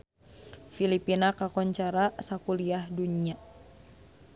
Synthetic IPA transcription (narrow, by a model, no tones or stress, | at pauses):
filipinakakɔɲt͡ʃaɾasakuliahdunia